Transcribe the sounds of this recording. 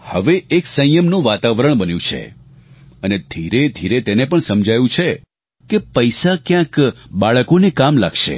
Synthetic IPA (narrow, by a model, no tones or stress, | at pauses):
həʋeeksə̃j̃jəmnũʋat̪aʋɾəɳbənjũt͡ʃʰḛ | əned̪ʱiɾed̪ʱiɾet̪enepəɳsəmd͡ʒʱajũt͡ʃʰe | kepəjsakjãkɓaɭəkonekamlakʃḛ